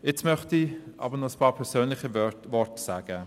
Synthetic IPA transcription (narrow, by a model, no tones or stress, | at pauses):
ɪt͡smœχtiʔɑ̰bənɔəspʰɑːɾpʰɛʁsøːnlɪχivɔɹtsaːɡ̥ə